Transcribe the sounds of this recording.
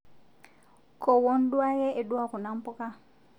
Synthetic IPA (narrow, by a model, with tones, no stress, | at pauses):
kɔ˨wɔ˦ndwa˦ɣɛ˦ʔe˨dwa˦kɔ˨na˦mpɔ˦ka˦